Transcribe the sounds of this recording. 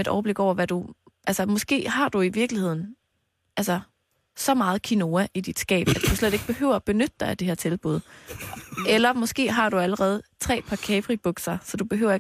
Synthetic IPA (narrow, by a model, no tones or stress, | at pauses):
ed̥ɒ̰ʊəb̥le̝ɡ̥ɒʊ̰ɐʋæd̥uʔælsɐmɒ̽sɡ̥e̝̰ːɦɑ̈d̥uiʋiɐɡ̥lihe̝ð̰ˠn̩ | ʔælsɐ | sɒ̽mɑ̈ːð̩ˠkʰino̝ːæʔid̥id̥sɡ̥ɛ̰ːb̥æd̥̚d̥usled̥e̝ɡ̥̚b̥e̝hø̰ʊ̰ɐb̥e̝nød̥əd̥ɑ̈ɪd̥e̝hæɐ̰t͡sʰe̝lb̥uð̞ˠ | ʔelɐmɒ̽sɡ̥e̝̰ːɦɑ̈ɾ̥uæləʁɛːð̞̩ˠt͡sʰʁɛ̰ːpʰɑ̈kʰeːpʰʁib̥ɔɡ̥sɐsɒ̽d̥ub̥e̝ɦø̰ʊ̰ɐe